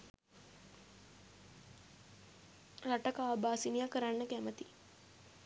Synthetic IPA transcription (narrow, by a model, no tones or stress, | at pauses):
ɾaʈəkaːbaːsinijakəɾanːəkæmət̪i